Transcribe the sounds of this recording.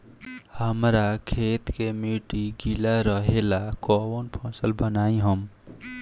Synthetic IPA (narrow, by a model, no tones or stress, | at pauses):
həmɾakʰet̪kemiʈiɡilaɾəɦelakɔwonpʰɔ̃səlbənaĩɦəm